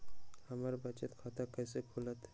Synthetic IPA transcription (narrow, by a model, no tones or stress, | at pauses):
həməɾbət͡ʃət̪kʰat̪akəjsekʰulət̪